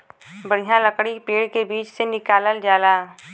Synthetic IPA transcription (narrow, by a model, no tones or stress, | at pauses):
bəɽ̤ijãləkɽipeːɽkebiːt͡ʃsenɪkaːləld͡ʒaːlaː